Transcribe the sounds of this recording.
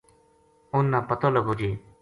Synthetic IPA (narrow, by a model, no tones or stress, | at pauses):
ʊnːãːpət̪oːləɡoːd͡ʒeː